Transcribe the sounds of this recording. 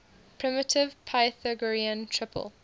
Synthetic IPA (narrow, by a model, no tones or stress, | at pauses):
pʰɹ̥ɪmɪtʰɪvpʰaɪθəɡəɹiə̃ntʰɹ̥ɪpʰə̰lˠ